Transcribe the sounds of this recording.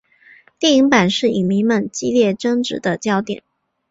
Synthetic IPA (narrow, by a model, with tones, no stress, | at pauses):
t̪jɛ˥˩i˧˥ŋpa˨˩nʂɻ̩˥˩i˨˩ŋmi˧˥ŋmə˧nt͡ɕi˥ljɛ˥˩ʈ͡ʂɤ˥ŋʈ͡ʂɻ̩̰˧˥d̪ə˧t͡ɕjɑ˥ʊt̪jɛ̰˨˩˦n